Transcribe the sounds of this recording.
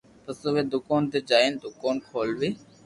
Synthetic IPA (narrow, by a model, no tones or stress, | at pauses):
p̪əsoʋeːd̪ʊkaːnt̪eːd͡ʒaːeːnd̪ʊkaːnkʰoːlʋeː